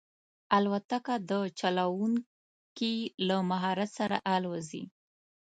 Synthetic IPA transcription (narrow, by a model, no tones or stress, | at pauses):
alwat̪akad̪ət͡ʃalawuŋ | kilamaɦɑɾat̪saɾa̰ʔalwazḭ